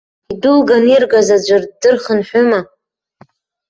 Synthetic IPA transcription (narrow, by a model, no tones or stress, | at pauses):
idulɡanirɡazad͡ʒʷɨrdɨrχənħʷʊma